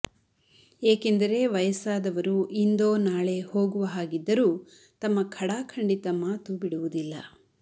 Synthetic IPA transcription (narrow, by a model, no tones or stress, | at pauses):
eːkend̪ɐɾe̞ʋɐjɐsaːd̪ɐʋɐɾuʔind̪o̞ːnaːɭe̞ho̞ːɡuʋɐɦaːɡid̪ːɐɾuː | t̪ɐmːɐkʰɐɽaːkʰɐɳɖit̪ɐmaːt̪ubiɽuʋud̪ilːɐ̰